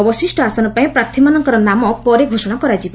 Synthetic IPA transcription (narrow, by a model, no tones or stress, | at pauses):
ɔbɔsisʈɔasɔnɔpaĩpɾat̪ʰimanɔŋkɔɾɔnamɔpɔɾeɡʱosɔɽ̃akɔɾad͡ʒib